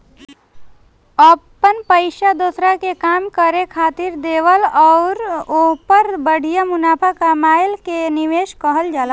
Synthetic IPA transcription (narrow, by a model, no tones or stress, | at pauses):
əpənpəɪʃad̪oːsɾakekaːmkəɾekʰaːt̪iɾd̪eːʋəlɔʊɾopəɾbəɽ̤ijamʊnaːpʰakamaːɪlkeniʋeːʃkəɦəld͡ʒaːla